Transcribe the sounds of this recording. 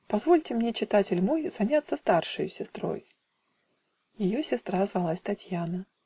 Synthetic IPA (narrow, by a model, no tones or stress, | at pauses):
pɐzvo̞lʲtʲɪmnʲet͡ɕɪt̪atʲɪlʲmo̞jz̥ɐnʲat̪sːəst̪arʂɨjʊsʲɪst̪ɾo̞̰j | jɪjo̞sʲɪst̪ɾazvɐlˠasʲt̪ɐtʲjanə